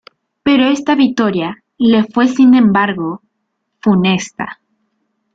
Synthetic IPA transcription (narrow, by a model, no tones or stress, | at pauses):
pe̞ɾo̞e̞st̪aβik̚t̪o̞ɾja | le̞fwe̞sinẽ̞mbaɾɣo̞ | fune̞st̪a̰